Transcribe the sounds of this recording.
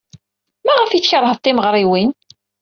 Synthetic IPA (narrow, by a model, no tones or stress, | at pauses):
mæʁəfit͡sːçəɾˤɦəðˤt̪ˤːɪməʁɾˤiwin